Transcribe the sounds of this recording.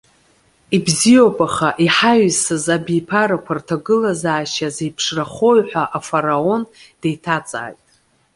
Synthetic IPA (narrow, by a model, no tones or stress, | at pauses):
ibzijo̞pʼaχaʔiħaɥsɨzabijpʰaɾakʷʰartʰaɡɨlazaːʃazejpʰʂraχo̞jħʷᶣaʔafaɾao̞nd̥ejtʰat͡sʼa̰ːjtʼ